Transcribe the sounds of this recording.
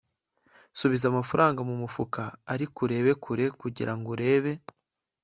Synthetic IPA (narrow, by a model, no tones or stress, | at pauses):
suβizamafaɾʔaːŋɡamumufukaːɾikuɾe̞ːβe̞kʰuɾe̞kuɟḭɾaŋɡuɾe̞ːβe̞